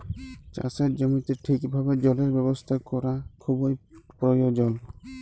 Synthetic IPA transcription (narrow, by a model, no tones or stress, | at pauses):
t͡ʃa̰sɛt̚d͡ʒɔmit̪iʈʰikbʱabɛd͡ʒɔlɛɹbɛbɔst̪ʰakɔɾakʰubɔjpɹɔjɔd͡ʒɔl